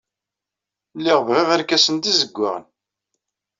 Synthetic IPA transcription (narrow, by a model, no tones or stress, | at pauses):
lːiʁvʁiʁæɾkæsənt̪izəɡʷːa̰ʁə̰n